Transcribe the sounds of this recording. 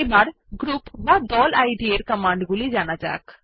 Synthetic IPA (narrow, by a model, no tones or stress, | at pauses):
ebaɾ | ɡɾupbad̪ɔlajɖieɾkəmaɳɖɡulid͡ʑanad͡ʒa̰k